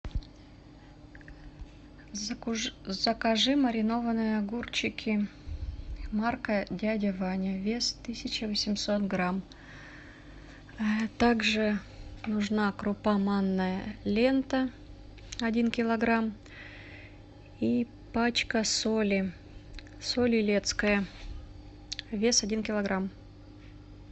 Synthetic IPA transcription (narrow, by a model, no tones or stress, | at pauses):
z̥əkɐʐɨməɾʲɪno̞vənɨjəɐɡurt͡ɕɪkʲɪ | markədʲædʲɪvanʲəvʲest̪ɨsʲɪt͡ɕɪvəsʲɪmso̞t̪ɡɾam | t̪aɡʐɨnʊʐnakɾʊpamanːəjəlʲe̞nt̪ə | ɐdʲinkʲɪlˠɐɡɾam | i | pat͡ɕkəsolʲɪ | solʲɪlʲe̞t̪skəjə | vʲe̞sɐdʲinkʲɪlˠɐɡɾam